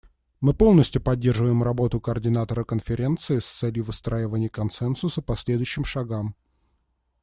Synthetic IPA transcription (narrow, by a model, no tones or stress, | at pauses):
mɨpo̞lˠnəsʲtʲjʊpɐdʲːe̞rʐɨvəjɪmrɐbo̞t̪ʊkəərdʲɪnat̪əɾəkənfʲɪɾʲe̞nt̪sɨɪst̪sɛlʲjʊvɨst̪ɾaɪvənʲɪjəkɐnsɛnsʊsəpɐsʲlʲe̞d̪ʊjʉɕːɪmʂɐɡam